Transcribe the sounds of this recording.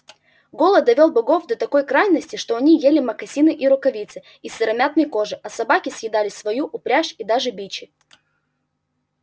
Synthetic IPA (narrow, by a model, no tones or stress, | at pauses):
ɡo̞lˠəd̪ɐvʲo̞lˠbɐɡo̞fd̪ɐt̪ɐko̞jkɾajnːəsʲtʲɪʂt̪oɐnʲijelʲɪmɐkɐsʲinɨʔiɾʊkɐvʲit̪sɨ | isɨɾɐmʲat̪nɨjko̞ʐɨʔɐsɐbakʲɪsʲjɪd̪alʲɪsvɐjuʔʊpɾʲaʂid̪aʐɨbʲit͡ɕɪ